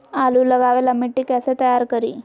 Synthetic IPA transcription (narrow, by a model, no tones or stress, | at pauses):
aluːləɡaʋelamiʈːikaset̪əjaɾkəɾiː